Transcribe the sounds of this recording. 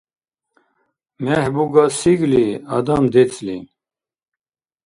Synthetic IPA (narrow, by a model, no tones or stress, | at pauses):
mɛhbuɡasiɡliɐ̰d̪amd̪et͡sʰlḭ